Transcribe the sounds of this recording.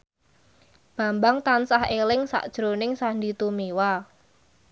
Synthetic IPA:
b̥ä̤mbaŋt̪ansahelɪŋsa̰ʔd̥ʒ̥ɾonɪŋsand̪it̪umewa

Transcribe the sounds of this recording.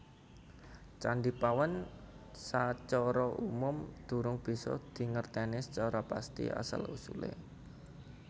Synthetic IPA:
t͡ʃaɳɖipawansat͡ʃɔɾɔʔumʊmd̪̥ṳɾʊŋb̥i̤sɔ̰d̪̥i̤ŋərt̪ɛnɪst͡ʃɔɾɔpa̰st̪ḭa̰sə̰lṵsulḛ

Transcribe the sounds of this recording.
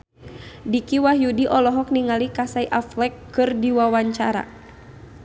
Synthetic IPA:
dikiwahjudiʔɔlɔɦɔk̚niŋalikasaiʔaflɛkː | ɨrdiwawaɲt͡ʃaɾa̰

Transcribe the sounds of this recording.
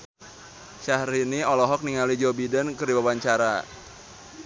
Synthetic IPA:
ʃahɾiniɔlɔɦɔk̚niŋalid͡ʒɔbidənkəriwawaɲt͡ʃaɾa̰

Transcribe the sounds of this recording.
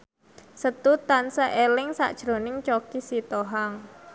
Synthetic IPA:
sət̪ut̪ansaʔelɪŋsa̰ʔd̥ʒ̥ɾo̤nɪŋt͡ʃokisit̪oɦaŋ

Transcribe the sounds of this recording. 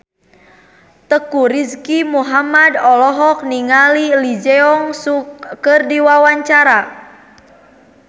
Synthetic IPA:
t̪əkuɾiskimuɦamadɔlɔɦɔk̚niŋalilid͡ʒɛɔŋsukərdiwawaɲt͡ʃaɾa

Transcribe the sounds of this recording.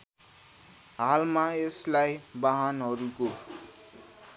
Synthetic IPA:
ɦalmaeslajbaɦanɦʌɾuko

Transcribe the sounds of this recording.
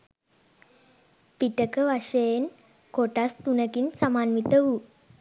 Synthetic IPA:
piʈəkəʋaʂəjen | koʈast̪unəkinsamaːnʋit̪əʋu

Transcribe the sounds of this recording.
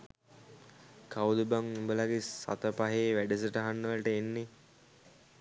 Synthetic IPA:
kawd̪ubaŋumbəlaɡesa̰t̪əpaɦeːʋæɖəs̬əʈəɦanːəʋəlʈəenːe

